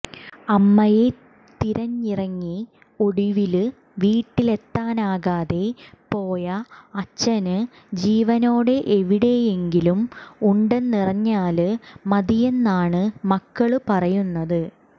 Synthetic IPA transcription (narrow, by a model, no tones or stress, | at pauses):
ɐmːɐje̞ | t̪iɾɐɲːirɐŋːi | o̞ɽiʋilɨ | ʋiːʈːile̞t̪ːaːnaːɣaːðe̞po̞ːjɐɐt͡ɕːɐnɨ | d͡ʑiːʋɐno̞ːɽe̞ʔeʋiɽe̞je̞ŋɡilumuɳɖenːirɐɲːaːlɨmɐðije̞nːaːɳɨmɐkːɐɭɨpɐrɐjunːɐðɨ